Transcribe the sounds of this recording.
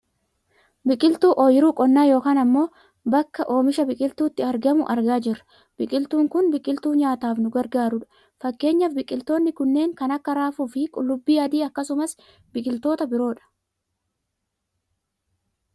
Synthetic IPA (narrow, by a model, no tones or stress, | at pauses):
bɪkʼɪlt̪uːʔoːjɪɾuːkʼɔnːaːjo̞ːkaːnɐmːo̞ː | bɐkːɐʔo̞ːmɪʃɐbɪkʼɪlt̪uːt̪ːɪɐɾɡɐmʊʔɐɾɡaːd͡ʒɪrːɐ̥ | b̥ɪkʼɪlt̪uːŋkʊnbɪkʼɪlt̪uːɲaːt̪aːfnʊɡɐɾɡaːɾʊᶑɐ̥ | fɐkːe̞ːɲːɐfbɪkʼɪlt̪o̞ːnːɪkʊnːe̞ːŋkɐnɐkːɐɾaːfuːfɪkʼʊlːʊbːiːɐd̪iːɐkːɐsʊmɐs | bɪkʼɪlt̪o̞ːt̪ɐbɪɾo̞ːᶑɐ̥